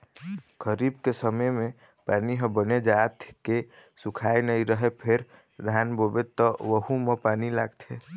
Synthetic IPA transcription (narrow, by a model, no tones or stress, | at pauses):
kəɾibkesəməjme | paniɦə̃bəned͡ʒat̪ʰkesukʰaenəiɾəɦepʰeɾ | d̪ʱanbobet̪ːɔʋəɦumepanilaɡt̪ʰe